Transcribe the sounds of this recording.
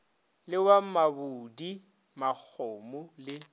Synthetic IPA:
lɪwamabudi | mak͡xʰoːmʊlɪ

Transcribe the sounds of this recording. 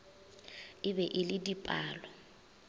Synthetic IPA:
ɪbɛʔɪlɪdipʼaːlɔ

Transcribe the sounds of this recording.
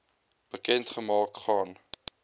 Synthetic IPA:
b̥əkɛntχəmɑːkχɑːn

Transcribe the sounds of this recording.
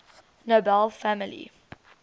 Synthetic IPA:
nobɛlˠfæməlḭ

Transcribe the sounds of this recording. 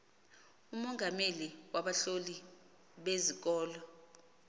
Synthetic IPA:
umɔŋɡʱameliwaɓaɬoli | ɓezik̬ɔːlɔ

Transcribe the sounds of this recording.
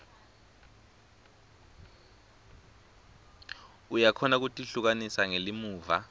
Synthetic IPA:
ujakʰɔnak̬utʼiɬuk̬anisaŋelimuːva̰

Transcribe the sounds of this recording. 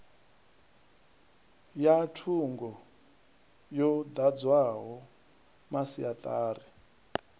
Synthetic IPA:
jatʰuŋɡɔ | jɔd̪ad͡zwaɦɔ | masiat̪ʼaːɾi

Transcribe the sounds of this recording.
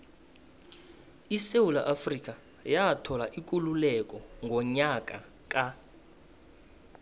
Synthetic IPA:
isewula̰ʔafrik̬ʼa | jatʰɔlaʔik̬ʼululɛkʼɔŋɡʱɔɲakʼa | kʼa

